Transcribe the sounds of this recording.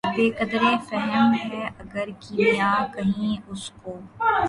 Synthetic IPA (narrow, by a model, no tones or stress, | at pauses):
beːkɐd̪ɾefɛɦɛmɦɛɐɡəɾkimjaːkɐɦĩʊskoː